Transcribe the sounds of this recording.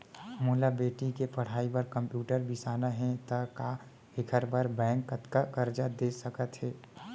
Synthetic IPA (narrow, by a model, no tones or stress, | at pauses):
muːlabeːʈikepəɽ̤aːibəɾkə̃mpjuːʈəɾbisaːnaɦɛ̃t̪əka | ɪkʰəɾbəɾbɛ̃ːŋkːət̪kakəɾd͡ʒad̪eːsəkət̪ɦɛː